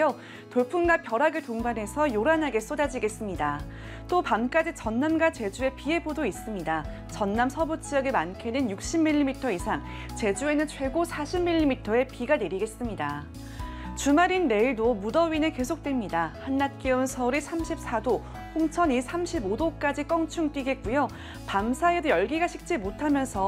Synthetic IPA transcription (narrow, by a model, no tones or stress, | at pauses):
o | toɭpʰunɡapjʌɾaɡetoŋbane̞sʰʌjoɾanɦaɡe̞s͈odad͡ʑiɡe̞s͈ɯmɲida | t͈opamk͈ad͡ʑit͡ɕʌnːamɡat͡ɕe̞d͡ʑue̞pie̞bodois͈ɯmɲida | t͡ɕʌnːamsʰʌbot͡ɕ͈ʰijʌɡemankʰenɯnjuk̚ɕ͈imːiʎːimitʰʌisʰaŋ | t͡ɕe̞d͡ʑue̞nɯnt͡ɕʰwe̞ɡosʰaɕʰimːiʎːimitʰʌe̞piɡane̞ɾiɡe̞s͈ɯmɲida | t͡ɕumaɾinːe̞iɭdomudʌɥineke̞sʰok̚t͈we̞mɲidahanːat̚k͈eunsʰʌuɾisʰamɕʰip̚s͈ʰado | ɸoŋt͡ɕʰʌɲisʰamɕʰibodok͈ad͡ʑik͈ʌŋt͡ɕʰuŋt͈wiɡe̞t̚k͈ujo | pamsʰaedojʌɭɡiɡaɕʰik̚t͡ɕ͈imotʰamjʌnsʰʌ